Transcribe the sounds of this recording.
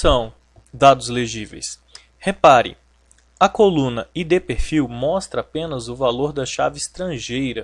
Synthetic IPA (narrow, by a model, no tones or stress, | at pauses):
sɐ̃w̃ | d̪ad̪ʊzleʒivḛjs | hepaɾɪ̰ | ɐkolũnɐɪd̪epeɾfiwmɔst̪ɾɐːpẽnɐzʊvaloɾd̪ɐʃavɪist̪ɾɐ̃ʒejɾɐ̰